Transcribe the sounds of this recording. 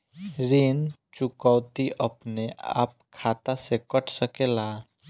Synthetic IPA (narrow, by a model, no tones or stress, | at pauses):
ɾeːnt͡ʃʊkəwt̪iʔəpnea̰ːp̚kʰaːt̪asekəʈʰsəkelaː